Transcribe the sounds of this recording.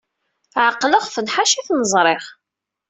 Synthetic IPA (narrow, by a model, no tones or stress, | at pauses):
ʕaqːləʁfənħaʃiθnəzˤɾˤɪʁ